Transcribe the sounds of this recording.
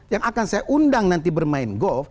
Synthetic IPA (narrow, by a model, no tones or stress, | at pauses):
jaŋakansajaʔundaŋnant̪̬ibərmaɪnɡɔlf